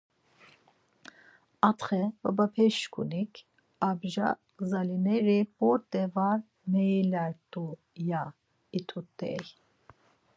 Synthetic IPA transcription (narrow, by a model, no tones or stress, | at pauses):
at̪χɛba̰bapʰɛʃkʰʼṵnikʰ | abʒa̰ɡzalinɛɾibɔɾt̪ʼɛvaɾ | mɛjlaɾt̪ʼu | ja | it̪ʰut̪ʼːɛ̰j